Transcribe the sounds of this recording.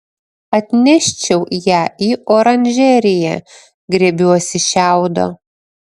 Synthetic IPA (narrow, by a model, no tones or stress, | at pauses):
ɐt̪ʲnʲɛʃʲt͡ʃʲɛʊjæːʔiːʔoːɾɐnʲʒʲɛɾʲɪjæ̰ː | ɡɾʲeːbʲuɔsʲɪʃʲæˑʊd̪o̰ː